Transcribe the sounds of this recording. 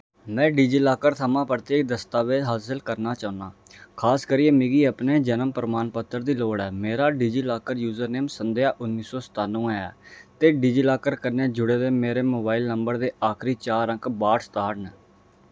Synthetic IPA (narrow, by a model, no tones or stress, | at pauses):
mɛ̃ːɖid͡ʒiːlaːkəɾt̪ʰəmãːpəɾt̪eːk̚d̪əst̪aːʋed̪ɦaːsəlkəɾnaːt͡ʃaːʊnaːkʰaːskəɾiːẽːmɪɡiːəpneːd͡ʒənəmpəɾəmaːnpət̪ːəɾd̪iːloːɽɛːmeːɾaːɖiːd͡ʒiːlaːkəɾjuːzəɾneːmsənd̪eaːʔʊnːiːsɔːsə̥t̪aːlũːɛːɛːt̪eːɖid͡ʒiːlaːkəɾkəɾneːd͡ʒʊɽeːd̪eːmeːɾeːmoːbaːilnəmbəɾd̪eːʔaːkʰɾiːt͡ʃaːɾə̃ŋkbaːʈst̪aːɽnː